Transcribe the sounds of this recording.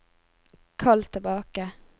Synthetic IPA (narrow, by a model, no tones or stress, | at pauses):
kʰɑlt̪ʰəbɑːkə